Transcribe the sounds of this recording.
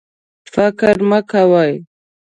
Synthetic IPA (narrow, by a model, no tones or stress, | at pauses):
fakɾməkawaj